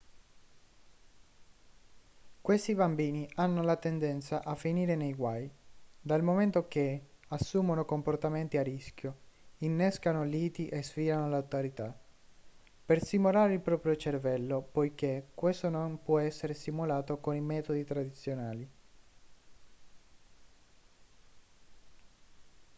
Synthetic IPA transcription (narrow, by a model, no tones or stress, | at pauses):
kwest̪ibambiːnianːolat̪end̪ɛnt̪saʔafːiniːɾenejɡwajd̪almoment̪ok̟easːuːmonokomport̪ament̪iariskjoinːɛskanoliːt̪iʔesfiːlanolawt̪oɾit̪a | persimolaːɾeilpɾɔːpɾjot͡ʃervɛlːopojk̟ekːwest̪onompwɔɛsːeɾesimulaːt̪okonimɛːt̪od̪it̪ɾad̪it̪sːjonaːli